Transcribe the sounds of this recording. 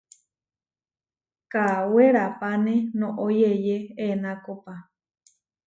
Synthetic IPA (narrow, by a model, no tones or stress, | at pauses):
kaweɾapanẽnõʔojejeenakopa